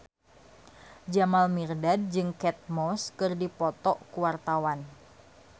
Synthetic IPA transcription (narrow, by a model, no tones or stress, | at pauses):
d͡ʒamalmirdad̚d͡ʒɨŋkɛt̪̚mɔskɨrdipɔt̪ɔʔkuwart̪awan